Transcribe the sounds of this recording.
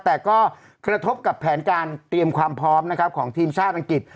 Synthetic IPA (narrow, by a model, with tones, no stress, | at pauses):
t̪ɛː˨˩kɔː˥˩ | kɾa˧t̪ʰo˦˥p̚ka˨˩pʰːɛː˩˦nkaː˧nt̪ɾi˧əmkʰwaː˧mpʰɾɔː˦˥mna˦˥kʰa˦˥p̚kʰɔː˩˦ŋt̪ʰiː˧mt͡ɕʰaː˥˩t̪ʔa˧ŋki˨˩t̪̚